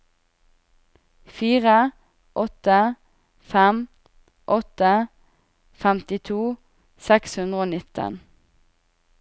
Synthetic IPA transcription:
fiːʁə | ʔɔt̪ə | fɛm | ʔɔt̪ə | fɛmt̪ɪt̪ʰuː | sɛkshʉnd̪ʁoːnɪt̪ə̰n

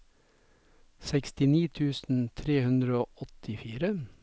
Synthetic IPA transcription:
sɛkst̪ɪniːt̪ʰʉːsn̩t̪ʰɾeːhʉnd̪ɾəoːʔɔt̪ɪfiːɾə

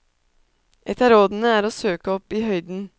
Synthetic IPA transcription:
ʔɛt̪ʰəɾoːd̪n̩əæːɾoːsøːkəɔpiːhœʏd̪n̩

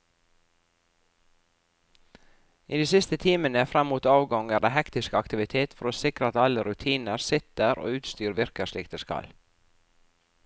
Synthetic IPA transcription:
ʔiːd̪iːsɪst̪ət̪ʰiːmənəfɾɛmːuːt̪ɑːʋɡɔŋæɖeːhɛkt̪ɪskəɑkt̪ɪʋɪt̪ʰeːt̪fɔɾoːsɪkɾəɑt̪ɑləɾʉt̪ʰiːnəɾsɪt̪əɾʔo̰ːʉːt̪st̪yːɾʋɪɾkəʃɭiːk̚d̪əskɑ̰l

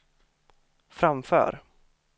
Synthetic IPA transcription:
fɾamfœ̰ːɾ

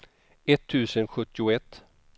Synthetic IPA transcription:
ɛt̪ʰːʉ̟ːsənɧɵt̪ːɪʊɛt̪ː

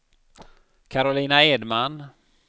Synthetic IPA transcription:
kʰaɾʊliːnaeːd̪man

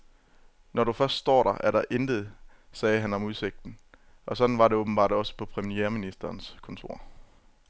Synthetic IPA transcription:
nɒɾufɶɐsd̥sd̥ɒ̰ːɾɑʔæɐɾ̥ɑ̈ʔend̥əð̩ˠ | sɛːɦænɒ̽muðˠse̝ɡ̥̚d̥n̩ | ʔɒ̽sɒ̽d̥n̩ʋɑ̈ɾe̝oːb̥n̩b̥ɑ̰̈ːd̥ɒ̽sə̥pʰɒ̽pʰʁɛmijeːɐminisd̥ɐːnskʰɔ̽nt͡sʰo̝̰ɐ̰

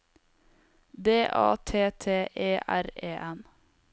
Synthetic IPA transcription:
d̪eːʔɑ̰ːt̪ʰeːt̪ʰeːʔeːʔæɾeːʔɛn

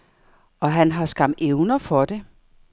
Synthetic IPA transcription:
ɒ̽ɦænɦɑ̈sɡ̥ɑ̈m̰d̥eʊnɐfɒ̽d̥e̝

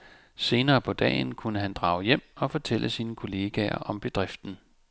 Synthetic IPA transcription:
se̝ːnɐːpʰɒ̽d̥ɛ̰ːnkʰunəɦænd̥ʁɑ̈ːʊjem̰ɒ̽fɒ̽t͡sʰelʔəsiːnəkʰo̝le̝ːɡ̥ɛɐ̰ʔɒ̽mb̥e̝d̥ʁɛfd̥n̩

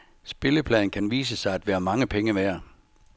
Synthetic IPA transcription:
sb̥e̝ləpʰlɛ̰ːnkʰænʋḭːs̬əsɑ̈ɪæd̥ʋæːɐmɑ̈ŋəpʰeŋəʋeɐ

